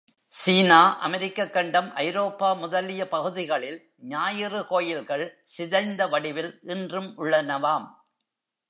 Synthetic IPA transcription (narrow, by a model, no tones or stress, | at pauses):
siːnaːʔɐ̰mɛɾɪkːɐkːɐɳɖɐmʔɐɪɾoːpːaːmʊðɐlɪjɐpɐɣɯðɪɣɐɭɪl | ɲaːjɪrɯkoːjɪlɣɐɭ | sɪðɐɪnd̪ɐʋɐɽɪʋɪlʔɪndrɯmʔʊɭːɐnɐʋaːm